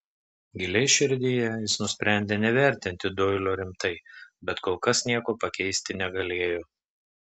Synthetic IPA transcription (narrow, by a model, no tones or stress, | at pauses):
ɡʲɪlʲɛɪʃʲɪɾʲd̪ʲɪjɛjɪsnʊsʲpʲɾʲæˑnʲd̪ʲeːnʲɛʋʲæˑɾʲt̪ʲɪnʲt̪ʲɪd̪oːɪlʲoːɾʲɪmt̪ɐɪbʲɛt̪koːlˠkɐsnʲiɛkoːpɐkʲɛɪsʲt̪ʲɪnʲɛɡɐlʲeːjoː